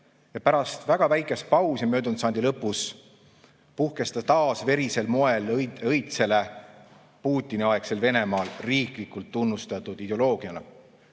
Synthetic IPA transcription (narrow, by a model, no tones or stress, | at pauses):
jɑpæɾɑst̪væɡ̥ɑvæjkˑespɑwsjɑmø̞ːd̪unt̪sɑnd̪ilɤpːˑus | puhke̞st̪ɑt̪ɑːsve̞ɾise̞lmo̞e̞ljɤjt̪se̞le̞ | puːt̪ʲːˑiniɑekse̞lve̞ne̞mɑːlriːklikˑult̪ːunːust̪ɑt̪ˑud̪̥id̪eo̞lo̞ːɡ̥iɑnɑ